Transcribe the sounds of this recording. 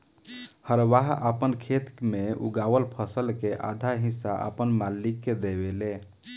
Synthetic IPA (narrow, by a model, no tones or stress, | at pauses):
həɾʋaɦəpənkʰet̪kmeṵɡawəlpʰəsəlkeʔa̰d̪ʱaɦisːa̰ʔə̰pənmalikːed̪ebele